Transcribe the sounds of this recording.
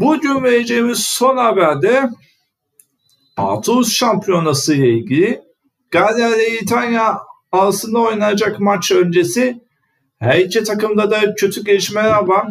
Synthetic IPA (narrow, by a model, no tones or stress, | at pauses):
bud͡ʒyɾmejed͡ʒeimiz̥so̞nhabæɾd̪ɛ | a̰t̪ʰusʃampʰijo̞nasɯjlˠailʲɟilʲɪ | ɡ̥azijad̪ɛit̪ʰanjaː | lsɯnd̪ao̞jnajad͡ʒakmat͡ʃø̞nd͡ʒe̞si | hæit͡ʃʰɛt̪ʰakɯmd̪ad̪acʰø̞t̪ʰyɟeliʃmejɾaban